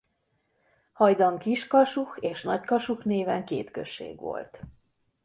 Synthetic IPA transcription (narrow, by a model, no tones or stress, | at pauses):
hɒjd̪ɒŋkiʃkɒʃuxeːʃnɒckɒʃuxneːvɛŋkeːt̪kø̰ʃːḛːɡʋo̞̰lt̪